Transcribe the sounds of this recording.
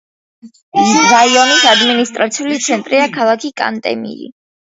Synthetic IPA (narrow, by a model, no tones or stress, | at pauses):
vaiɔnisad̪minist̪ʼɾat̪sʰiulit̪sʰɛnt̪ʼɾiakʰalˠakʰikʼa̰nt̪ʼɛ̰mḭɾḭ